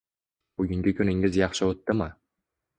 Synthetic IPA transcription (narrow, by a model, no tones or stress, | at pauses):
b̥ʊɡʲɪŋɡʲɪkʰʲɵnɪŋɪzjɑχʃɪot̪ːɪmɪ